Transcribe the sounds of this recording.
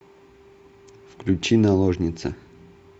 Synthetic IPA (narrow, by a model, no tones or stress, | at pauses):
fklʲʊt͡ɕinɐlˠoʐnʲɪt̪sə̰